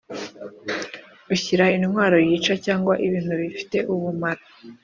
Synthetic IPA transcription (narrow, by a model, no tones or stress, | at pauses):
uçiɾaininwaːɾo̞jiːt͡ʃacaːŋɡwaʔiβiːn̥huβifi̥te̞ʔuβumaɾa